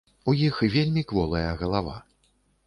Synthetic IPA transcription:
ujixɨvʲelʲmʲikvɔlˠɐjɐɣɐlˠava

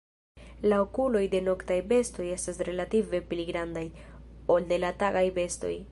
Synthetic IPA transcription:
laokulo̞jde̞no̞ktajbe̞sto̞je̞stasɾe̞lative̞pliɡɾandajo̞lde̞lataɡajbe̞sto̞̰j

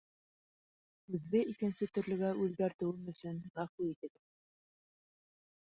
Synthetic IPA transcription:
ʉðːɘʔikɘ̆nsɘt̪ɵ̆ɾlɵ̆ɡæʔʉðɡæɾt̪ɘ̆wɘmɵ̆sɵnʁæfwiit̪ɘ̆ɡɘ

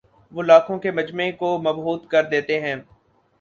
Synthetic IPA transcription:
ʋoːlaːkʰõkemɐd͡ʒmẽkomɐbɦuːt̪kɐɾd̪eːt̪eɦɛ̃ː

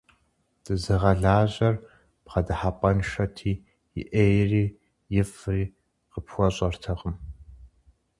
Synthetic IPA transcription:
d̥ɨzɨʁɐɮaːʑɐr | pqɐdɨħapʼɐnʃɐtʰiː | jɪ̰ʔeːjriː | jɪfriː | qəpʰxʷɔɕʼɐrtʰɐʁəm

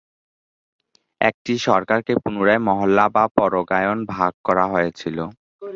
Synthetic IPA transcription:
ɛ̰k̚ʈiʃɔɾkaɾkepunuɾaemɔɦolːabapɔɾoɡajonbʱaɡ̚kɔɾaɦojet͡ɕʰilo

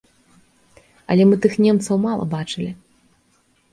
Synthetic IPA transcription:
ɐ̰lʲɛmɨt̪ɨxnʲɛmt̪sɐwmalˠɐ̰bat͡ʂɨlʲi

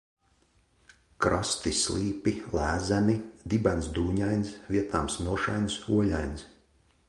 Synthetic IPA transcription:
kɾɔst̪islˠiːpilæːzæmid̪ibajnsd̪uːɲajnsviɛt̪aːmsnuɔʃajnsuɔlajns

